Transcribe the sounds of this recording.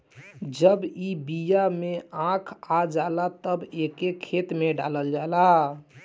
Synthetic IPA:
d͡ʒəbibijameãkʰad͡ʒalat̪əbekekʰet̪meɖa̰ləld͡ʒala

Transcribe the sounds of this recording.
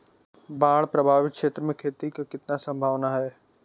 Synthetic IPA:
baːɽpɾɐbʱaːʋɪt̪̚kʃeːt̪ɾəmẽkʰeːt̪ikakɪt̪nasɐ̃mbʱaːʋnaɦɛː

